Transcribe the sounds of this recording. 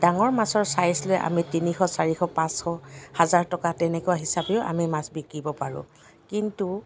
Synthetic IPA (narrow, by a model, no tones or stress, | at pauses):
daŋɔɹmasɔɹsajslojʔa̰mitinixɔsaɹixɔpãsxɔhazaɹtɔkatɛnɛkʊwaɦisabeʊa̰mimasbikɹibɔpaɹʊ̰̃ | kintu